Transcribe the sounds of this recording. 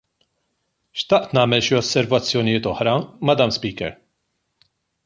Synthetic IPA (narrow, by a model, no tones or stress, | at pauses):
ʃt̪ɐʔt̪nɐːmɛlʃiɔsːɛɾvɐt͡sːjɔnijɪːt̪ɔħɾɐmɐd̪ɐmspiːkɛ̰ɾ